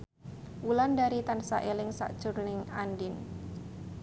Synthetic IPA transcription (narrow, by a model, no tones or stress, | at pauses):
wulandaɾit̪ansa̰ʔelɪŋsa̰ʔd̥ʒ̥ʊrnɪŋandɪn